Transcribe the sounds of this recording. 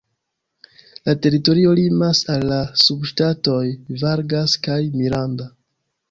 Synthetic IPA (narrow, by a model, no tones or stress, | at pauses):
late̞ɾito̞ɾio̞limasalːasubʃtato̞jvaɾɡaskajmiɾanda